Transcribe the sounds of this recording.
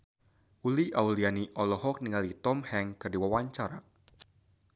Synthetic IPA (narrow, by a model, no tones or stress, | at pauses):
uliʔaulianiʔɔlɔɦɔk̚niŋalit̪ɔmhɛŋkɨrdiwawaɲt͡ʃaɾa